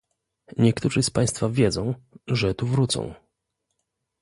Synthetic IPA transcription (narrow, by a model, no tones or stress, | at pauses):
ɲɛkt̪uʐɘspaj̃st̪favʲjɛd̪zɔ̃w̃ʐɛt̪uvɾut̪sɔ̰̃w̃